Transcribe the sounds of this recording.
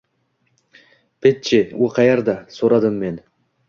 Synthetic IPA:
pet̪̚t͡ʃewuqʰɑjɑɾd̪ɑsoɾɑd̪əmːen

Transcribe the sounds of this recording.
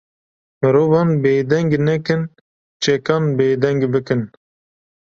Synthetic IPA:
mɨɾoːvɑːnbeːd̪ɛŋɡnɛkɨn | t͡ʃʰɛkɑːnbeːd̪ɛŋɡbɨkɨn

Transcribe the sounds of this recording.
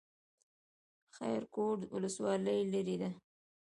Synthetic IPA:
xa̰jɾkoʈ̪wʊləswɑləjlaɾid̪a

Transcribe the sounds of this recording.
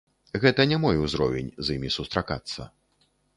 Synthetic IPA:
ɣɛt̪ɐnʲɛmɔjuzɾɔvʲɛnʲzimʲisust̪ɾaka̰t̪sːɐ̰

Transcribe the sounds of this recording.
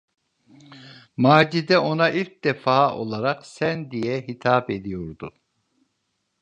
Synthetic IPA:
maːd͡ʒid̪ɛʔo̞naʔilc̚d̪ɛfaːʔo̞̰lˠaɾaqsænd̪ijɛɦit̪ʰaːped̪ijoɾd̪u

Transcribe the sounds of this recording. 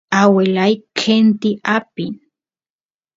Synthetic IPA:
awelajkʰent̪iʔapin

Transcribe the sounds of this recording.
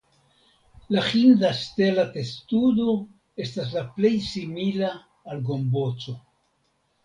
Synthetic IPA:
laxindaste̞late̞studo | e̞stas̬laple̞jsimilaː | lɡo̞mbo̞t͡so̞

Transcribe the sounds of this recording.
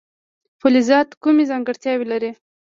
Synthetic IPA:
pʊlizɑt̪kumezɑŋɡəɽt̪jɑwilaɾi

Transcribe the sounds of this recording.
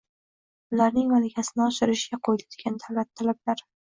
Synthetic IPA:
ʊlaɾnɪŋmalɪkʲʰasɪnɪɒʃɪɾɪʃɪɡʲaqʰojd̪ad̪ɪɡʲant̪ʰalatt̪ʰːalablaɾ

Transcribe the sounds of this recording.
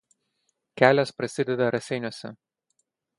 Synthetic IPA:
kʲæːlʲɛspɾɐsʲɪd̪ʲɛd̪ɐɾɐsʲɛɪnʲuɔsʲɛ

